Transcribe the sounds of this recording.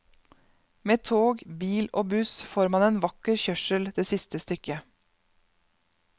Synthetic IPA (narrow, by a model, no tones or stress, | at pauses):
meːt̪ʰoːɡbiːloːbʉsfoːɾmɑːneːnʋɑkəɾçœʃəld̪̥eːsɪst̪əst̪ʏkə